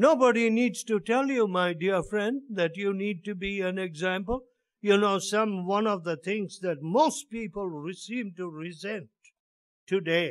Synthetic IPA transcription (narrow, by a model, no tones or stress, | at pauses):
nobəɾinidz̥tutɛlˠjumaɪdiɹfɹɛ̃nd̚ðɨtjunid̚tubiæ̃nɛɡzæ̃mpəl̩ˠ | junoʊsʌ̃mwʌ̃nʌvðəθɪ̃ŋzðɨt̚moʊspipəl̩ˠɹɪsĩmtuɹɪzɛ̃ntʰː | ɨdeɪ